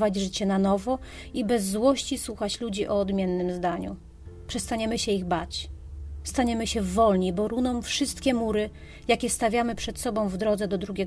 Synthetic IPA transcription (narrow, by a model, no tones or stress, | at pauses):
vad͡ʑʐɘt͡ɕɛnanɔvɔ | ibɛzːwɔɕt͡ɕiswuxat͡ɕlud͡ʑiʔɔːd̪mʲjɛnːɘmzd̪aɲṵ | pʂɛst̪aɲɛmɘɕɛiɣbat͡ɕ | st̪aɲɛmɘɕɛvɔlɲibɔɾunɔmfʂɘst̪kʲɛmuɾɘ | jakʲɛst̪avʲjamɘpʂɛt̪sɔbɔ̃w̃vd̪ɾɔd̪zɛd̪ɔd̪ɾuɡʲɛ